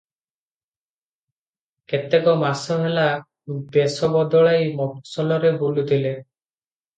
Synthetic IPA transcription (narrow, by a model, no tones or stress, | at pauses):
ket̪ekɔmasɔɦela | besɔbɔd̪ɔɭajmɔksɔlɔɾebulut̪ʰile